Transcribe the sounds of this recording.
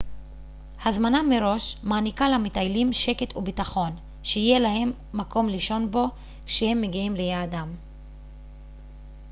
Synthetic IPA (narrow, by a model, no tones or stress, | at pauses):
hazmanamːeɾo̞ʃmaːnikalamitajlimʃe̞ket̪ʰubitaχo̞n | ʃeijelaɦe̞mːako̞mliʃo̞nbo̞ | ʃehe̞mːeɡiimlejaːdam